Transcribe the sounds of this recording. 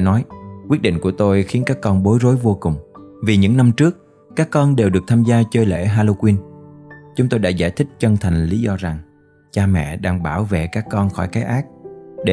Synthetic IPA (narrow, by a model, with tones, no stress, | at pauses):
nɔ˨˦jkwi˦˥ət̚ɗḭ˧˨ŋ̟ku˧˩ət̪o˧jxi˨˦ənkaː˦˥kːɔ˧nɓo˨˦jzo˨˦jvo˧kʊ˨˩ŋ͡mvi˨˩ɲɨ̰˧˥ŋna˧mt͡ɕɨ˦˥ək̚ | kaː˦˥kːɔ˧nɗe˨˩wɗɨ˨˩ək̚t̪ʰaː˧mzaː˧t͡ɕəː˧jlḛ˧˩ɦaː˧lo˧kwi˧n | t͡ɕʊ˨˦ŋ͡mt̪o˧jɗa̰ː˧˥za̰ː˧˩jt̪ʰï˦˥k̟̚t͡ɕə˧nt̪ʰa˨˩jŋ̟li˨˦zɔ˧za˨˩ŋ | t͡ɕaː˧mɛ̰˧˨ɗaː˧ŋɓaː˧˩wvḛ˧˨kaː˦˥kːɔ˧nxɔ˧˩jkaː˨˦jʔaː˦˥k̚ɗe˧